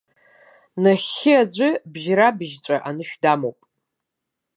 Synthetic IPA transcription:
naχɪad͡ʑʷɪbʒɾabʒt͡ɕʷʼaʔanɨʃᶣdaːmowpʼ

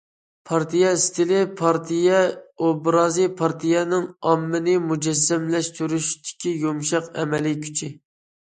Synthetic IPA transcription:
pʰɑɾt̪ʰijɛist̪ʰɪlɪpʰɑɾt̪ʰijɛobɾɑːzipʰɑɾt̪ʰijɛnɪŋɑmːɪnɪmud͡ʒɛs̬ːɛmlɛʃt̪yɾyʃt̪ɪ̥kʲijomʃɑqɛ̰mɛlikʲʰy̥t͡ʃʰɪ

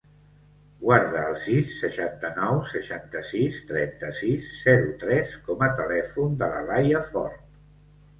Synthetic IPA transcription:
ɡwaɾðəːlˠsisːəʃant̪ənɔwsəʃant̪əsist̪ɾɛnt̪əsisːɛɾut̪ɾɛskɔmət̪əlɛfund̪ələ̰rajəfɔ̰ɾt̪

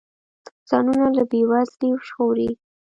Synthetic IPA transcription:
t̪zɑnunalabewazliwʃxoɾi

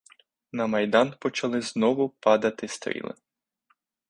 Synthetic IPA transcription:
nɐmɐjd̪ɑnpɔt͡ʃɐlˠɪznɔʋʊpɑd̪ɐt̪ɪst̪ɾʲḭlˠɪ̰

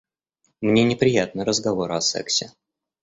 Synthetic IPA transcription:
mnʲenʲɪpɾʲɪjat̪̚nəɾəzɡɐvo̞ɾɐsɛ̰ksʲɪ

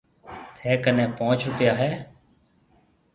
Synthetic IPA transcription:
t̪ʰeːkənẽːpõːt͡ʃʰʊpɪjaːɦɛː

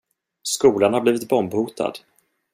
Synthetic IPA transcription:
skuːlanhaɾbliːvɪt̪bɔmbhuːt̪ʰa̰d̪

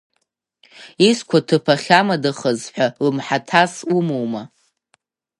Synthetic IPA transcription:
iskʷʰatʰɨpʰaχʲamadɨχəzħʷᶣalɨmħatʰasumowma

